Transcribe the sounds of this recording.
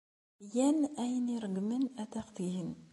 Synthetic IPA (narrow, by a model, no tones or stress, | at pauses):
jænæjəniɾˤəɡmənæt̪æqt̪ihən